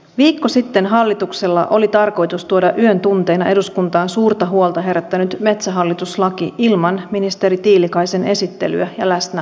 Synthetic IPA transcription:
ʋiːkːosit̪ːe̞nɦɑlːit̪ukse̞lːɑ̰ʔo̞lit̪ɑrko̞jt̪ust̪uodɑʔyønt̪unt̪e̞ːnɑʔe̞duskunt̪ɑːnsuːrt̪ɑɦuolt̪ɑɦe̞ɾæt̪ːænyt̪me̞t̪sæɦɑlːit̪uslɑkiʔilmɑnminist̪e̞ɾit̪iːlikɑjse̞ne̞sit̪ːe̞̰ly̰æjɑlæsnæ

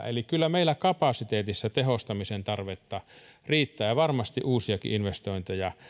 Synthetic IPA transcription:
ḛlikylːæmeilːˑækɑpɑˑsit̪eːt̪isːɑt̪ehost̪ɑmisent̪ɑrʋet̪ːɑriːt̪ːæːʋɑrmɑst̪iʔuːsiɑkḭʔinʋest̪oint̪ejɑ

